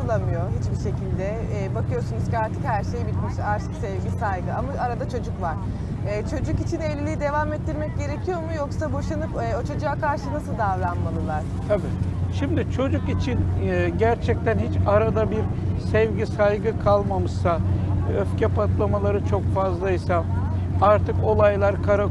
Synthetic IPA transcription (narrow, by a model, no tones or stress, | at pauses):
lˠamɯjo̞ɦit͡ʃbiʃe̞cʰilʲd̪ɛː | bakʰɯjo̞sunuz̥ciaɾt̪ʰɯkhæɾʃe̞jbit̪miʃaɾt̪ʰɯ̥ksɛvɟisajɡɯamaʔaɾad̪at͡ʃʰo̞d͡ʒukvaɾ̥ | ɛːt͡ʃʰo̞d͡ʒukit͡ʃʰinevlʲilʲijid̪e̞vamɛt̪ʰːiɾmɛc̚ɟe̞ɾecʰijo̞mujoksabo̞ʃanɯpɛat͡ʃʰad͡ʒaːkʰaɾʃɯnasɯlˠd̪avlˠanmalˠɯlˠaɾ̥ | abɛʃimd̪it͡ʃʰo̞d͡ʒukit͡ʃʰinɟæɾt͡ʃʰɛc̚t̪ænhit͡ʃaɾad̪abiɾsɛvɟisajɡɯkʰalˠmamɯʃsaøfcʰɛpʰat̪lˠamalˠaɾɯt͡ʃʰo̞kfazlˠaisa | aɾt̪ʰɯko̞lˠajlˠaɾkʰaɾa